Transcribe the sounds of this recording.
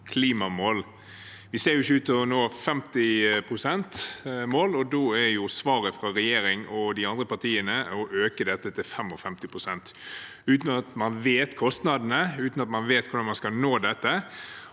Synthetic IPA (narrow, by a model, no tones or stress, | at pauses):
kʰliːmɑmoːl | ʋɪseːɾjʊɪçːəʉːt̪ɔnoːfɛmt̪ɪpʰɾʊsɛnt̪moːlɔd̪oːæjʊsʋɑːɾəfɾɑɾɛjeːɾɪŋɔd̪ɪɑnd̪ɾəpɑt̪ʰiːənəɔʔøːkəd̪ɛt̪ːət̪ʰɪlfɛmɔfɛmt̪ɪpʰɾʊsɛnt̪ | ʉːt̪nɑt̪mɑnʋeːt̪kʰɔst̪nɑd̪ənəʉːt̪nɑt̪mɑnʋeːt̪kʰʊɾd̪ɑnmɑnskɑnoːd̪ɛt̪ːə